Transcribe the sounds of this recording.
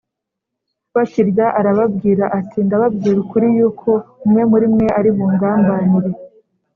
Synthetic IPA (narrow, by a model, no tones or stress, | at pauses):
βaciɾɟaʔaɾaβab̚ɡiːɾaʔatʰindaβabɡiːɾukuɾijuːkʰo̞umŋe̞muɾimŋe̞ʔaɾiβuːŋɡaːmbanuɾe